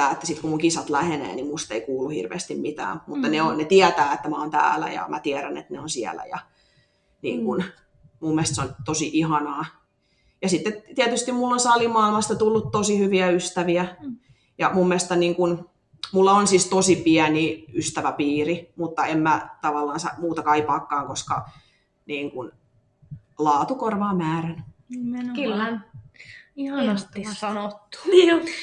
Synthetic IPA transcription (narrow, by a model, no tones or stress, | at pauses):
æːet̪ːæ̥sit̪kumuŋkisɑt̪læhenḛːnimmust̪eikuːlːuhḭrʋḛːst̪immit̪æ̰ːmut̪ːɑneonnet̪iæt̪æːet̪ːæmæont̪æ̰ːlæ̰jɑ̰mʔæt̪iæɾænḛt̪neonsiæ̰læ̰jɑ̰ | nḭːŋkun | mumːest̪seont̪osiʔihɑnɑː | jɑsit̪ːet̪iæt̪yst̪immulːonsɑlimɑilmɑst̪ɑt̪ulːut̪t̪osihyʋiæyst̪æʋiæ | jɑmumːeˑst̪ɑniːŋkun | mulːɑonsist̪osipiæniyst̪æʋæpiːrimut̪ːɑemmæt̪ɑʋɑlːɑːnsɑ̰muːt̪ɑkɑipɑːkːɑːŋkoskɑ̰ | niːŋkun | lɑːt̪ukorʋɑːmmæːrænnimenkylːæ | ihɑst̪sɑnot̪ːu̥ni